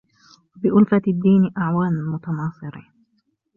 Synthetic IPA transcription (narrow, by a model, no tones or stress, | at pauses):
wwabɪʔʊlfad̪ːiːnʔaʕwaːnmʊt̪ɑnɑːsˤɨɾi